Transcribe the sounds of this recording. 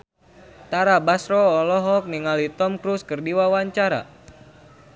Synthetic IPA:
t̪aɾabasɾɔːlɔɦɔk̚niŋalit̪ɔmkɾuskərdiwawaɲt͡ʃaɾa̰

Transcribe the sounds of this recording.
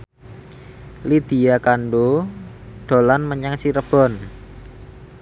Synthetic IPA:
lid̪̥i̤jakanɖo | ɖ̪̥o̤lanməɲaŋt͡ʃiɾəb̥ɔ̤n

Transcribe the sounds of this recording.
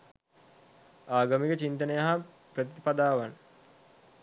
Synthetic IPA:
aːɡamikət͡ʃint̪ənəjaɦa | prət̪iipad̪aːʋan

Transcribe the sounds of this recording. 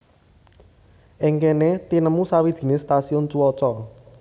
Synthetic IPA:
ʔɪŋkenet̪inəmusawid̥ʒ̥i̤nest̪asiʊnt͡ʃuwɔt͡ʃɔ

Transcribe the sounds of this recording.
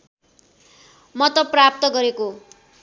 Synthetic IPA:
mʌt̪ʌprap̚t̪ʌɡʌɾeko

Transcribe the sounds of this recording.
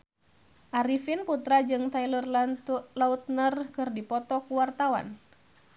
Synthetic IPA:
ʔaɾifinput̪ɾad͡ʒɨŋt̪ailərlalaut̪̚nərkɨrdipɔt̪ɔkuwart̪awa̰n

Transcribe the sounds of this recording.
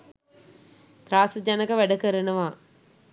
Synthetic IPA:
t̪ɾaːsd͡ʒanəkəʋæɖəkəɾənəʋaː

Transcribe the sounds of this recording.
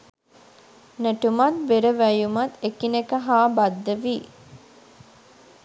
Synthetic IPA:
neʈumɐt̪̚beɾəʋæjumɐt̪ekinekəɦaːbɐd̪ːəʋiː

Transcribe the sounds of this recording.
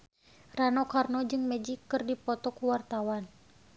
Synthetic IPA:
ranɔkarnɔd͡ʒɨŋmɛd͡ʒikːɨrdipɔt̪ɔkuwart̪awan

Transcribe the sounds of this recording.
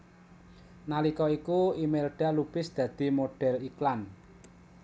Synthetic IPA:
nalikɔikuimelɖ̥a̤lupɪsd̪̥ä̤d̪̥i̤moɖ̥ɛ̤liklan

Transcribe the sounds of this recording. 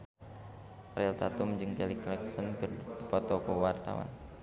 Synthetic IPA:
rɛlt̪at̪umd͡ʒɨŋkɛliklɛksənkərpɔt̪ɔkɔwart̪a̰wa̰n

